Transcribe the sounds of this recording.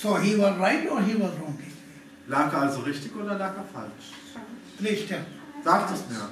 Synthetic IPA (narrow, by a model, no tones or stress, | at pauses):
soːɦiːʋɔzɾaɪʈɔːɾɦiːʋɔzɾɔ̃ŋi | laːkalzoʁɪçtɪçʔoːdɐlaːkɐfa̰lt͡ʃ | pɾeːʃʈə | z̥aːktɛsmiːɐ